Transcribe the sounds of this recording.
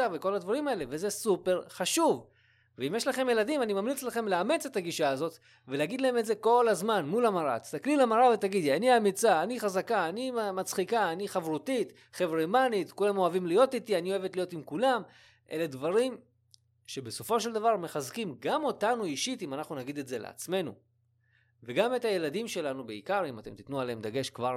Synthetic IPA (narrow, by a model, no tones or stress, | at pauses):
aveko̞lad̪vaʁimae̞le̞veze̞supe̞ʁχaʃuv | veimjeʃlaχe̞mjelad̪imanimamlit͡slaχe̞mleame̞t͡se̞t̪aɡiʃaːzo̞t̪ | veleaɡid̪lae̞metze̞ko̞lazmanmulamaʁa̰t̪i̥st̪aklilamaʁavet̪aɡid̪ianiamit͡saːniχazakaːnimat͡sχikaːniχavʁut̪it̪ | χevʁemanit̪kulamo̞avimlijo̞tit̪ianioevetlijotimkulam | ʔe̞̰ledvaʁim | ʃe̞be̞so̞fo̞ʃe̞ld̪avaʁme̞χazkimɡamotanuiʃitimanaχnunaɡid̪e̞tze̞lḛa̰t͡sme̞nṵ | veɡame̞taje̞ladimʃe̞lanubeikaʁimate̞mt̪it̪nualeemd̪aɡe̞ʃkvaʁ